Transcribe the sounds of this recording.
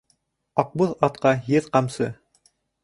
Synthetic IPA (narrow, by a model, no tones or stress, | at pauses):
ɑq̚bɤðɑt̪qɑjɘðqɑmsɤ̰